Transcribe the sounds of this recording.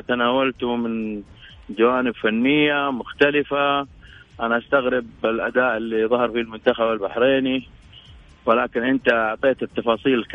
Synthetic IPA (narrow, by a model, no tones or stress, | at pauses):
t̪anaːwalt̪umɪn | d͡ʒawaːnɪbfanːɪjːamʊxt̪alɪfa | ʔanaʔast̪aɣɾɪbɪlʔa̰d̪aːʔɪlːiðˤɑhɑɾˤfilmʊnt̪axabɪlbaħɾeːni | wɪlaːkɪnʔɪnt̪aʕt̪ˤeːt̪ɪt̪ːɑfɑːsˤiːlk